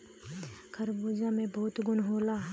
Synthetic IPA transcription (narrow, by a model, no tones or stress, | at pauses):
kʰɐɾbuːd͡ʒãmẽbɔːt̪ɡʊnɦoːlaː